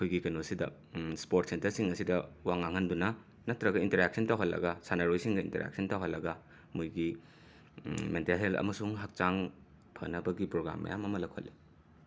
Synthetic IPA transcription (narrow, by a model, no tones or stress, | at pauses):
ɐkʰujɡikɐnosidɐ̰ | spoɾtsentɐɾsiŋɐsidɐwaŋːaŋɐndunɐ | nɐtɾɐɡɐintɐɾek̚sɐntawɦɐllɐ̰ɡɐsanɐɾojsiŋɡɐintɐɾḛk̚sʰɐntawɦɐlːɐɡɐ | mujɡi | mentelɦelɐ̰mɐsuŋɦɐk̚t͡ʃaŋ | pʰɐnɐbɐɡipɾoɡɾa̰mːɐ̰jamɐmɐlɐkʰo̰lːi